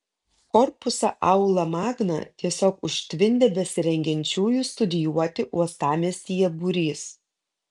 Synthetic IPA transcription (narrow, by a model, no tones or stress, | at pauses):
kɔɾpʊsɐʔɐʊlˠɐmɑːɡnɐ̰t̪ʲiɛsʲoːkʊʃʲt̪ʲʋʲɪnʲd̪ʲeːbʲɛsʲɪɾʲɛŋʲɡʲɛnʲt͡ʃʲuːjuːˑst̪ʊd̪ʲɪjuɔt̪ʲɪʔuɔst̪ɑːmʲeːsʲijɛbuɾʲiːs